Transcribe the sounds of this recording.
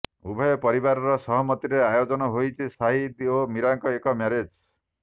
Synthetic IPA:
ṵbʱɔjɔpɔɾibaɾɔɾɔsɔɦɔmɔt̪iɾeajod͡ʒɔnɔɦojt͡ʃʰisaɦid̪omiɾaŋkɔekɔmaɾed͡ʒ

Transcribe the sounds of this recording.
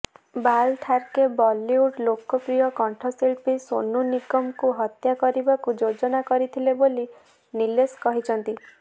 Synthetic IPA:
balʈʰaɾkebɔlːiuʈlokɔpɾijɔkɔɳʈʰɔselpiso̰nunikɔmkuɦɔt̪jakɔɾibakud͡ʒod͡ʒɔnakɔɾit̪ʰileboli | nileskɔɦit͡ʃʰɔnt̪i

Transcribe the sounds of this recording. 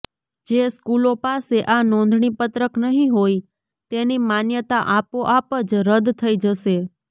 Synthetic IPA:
d͡ʒeskulopaseʔanɔ̃nd̪ʱɳipət̪ɾəknəɦĩɦoj | t̪enimanjət̪aʔapoʔapəd͡ʒɾəd̪t̪ʰəid͡ʒəʃe

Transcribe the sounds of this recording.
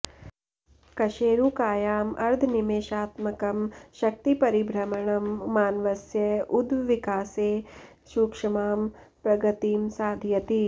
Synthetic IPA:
kɐʃeːɾukaːjaːmɐɾd̪ʱnimeːʃaːt̪mɐkɐmʃɐk̚t̪ipɐɾibʱɾɐmɐɳɐmːaːnʋɐsjɐud̪ʋikaːseː | ʃuːkʂɐmaːmpɾɐɡɐt̪iːmsaːd̪ʱjɐt̪i

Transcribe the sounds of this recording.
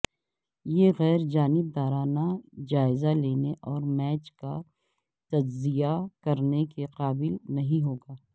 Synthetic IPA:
jeɣɛːɾd͡ʒaːnɪb̚d̪aːɾaːnad͡ʒaːɪzaleːneʔɔːɾmɛːt͡ʃka̰ | t̪ɐd͡ʒzijakɐɾnekeqaːbɪlnɐɦĩɦoːɡaː

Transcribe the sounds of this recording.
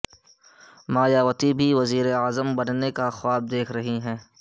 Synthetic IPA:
maːjaːʋət̪ibʱiʋɐziːɾeaːzəmbɐnnekaxwaːb̚d̪eːkʰɾɐɦiɦɛ̃ː

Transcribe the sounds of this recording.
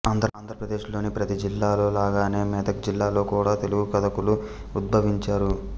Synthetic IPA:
aːnd̪ʱɾɐaːnd̪ʱɾɐpɾɐd̪e̞ːʃlo̞ːnipɾɐt̪id͡ʒilːaːlo̞ːlaːɡaːne̞ːmɛːd̪ɐkd͡ʒilːaːlo̞ːkuːɽaːt̪e̞luɡukɐd̪ɐkulu | ud̪̚bʱɐʋiɲt͡ʃaːɾu

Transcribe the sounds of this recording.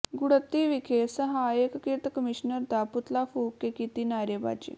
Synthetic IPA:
ɡuɽət̪ːiʋikʰesəɦajekkiɾt̪əkəmiɕnəɾd̪aput̪lafukekit̪inaɾeba̰t͡ɕḭː

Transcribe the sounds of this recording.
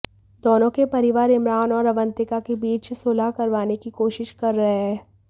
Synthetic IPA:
d̪oːnõkepɐɾɪʋaːɾɪmɾaːnɔːɾɐʋə̃nt̪ɪkakebiːt͡ʃsoːlakɐɾʋaːnekikoːʃɪʃkɐɾːɐɦeɦɛː

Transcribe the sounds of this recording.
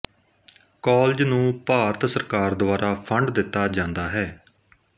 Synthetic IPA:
kɔːld͡ʒnũːpaːɾət̪səɾkaːɾd̪ʊaːɾaːpʰəɳɖd̪ɪt̪ːaːd͡ʒãːnd̪aːɦɛː

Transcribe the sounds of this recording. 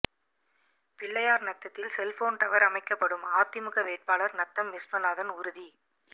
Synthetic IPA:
pɪɭːɐjaːɾnɐt̪ːɐt̪ːɪlsɛlfoːnt̪ɐʋɐɾɐmɐɪkːɐpːɐɽɯmaːt̪ɪmɯɣɐʋeːʈ̚paːɭɐɾnɐt̪ːɐmːɪspɐnaːðɐnʊɾɯði

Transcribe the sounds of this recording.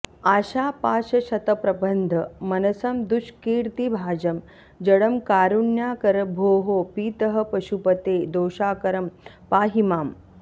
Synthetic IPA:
aːɕaːpaːʃɐʃɐt̪ɐpɾɐbənd̪ʱəmɐnɐsɐmd̪uʃkiːɾt̪ibʱaːd͡ʒɐm | d͡ʒɐɽɐmkaːɾunjaːkɐɾɐbʱoːɦoːpiːt̪ɐɦɐ̆pɐʃupɐt̪eːd̪oːʃaːkɐɾɐm | paːɦimaːm

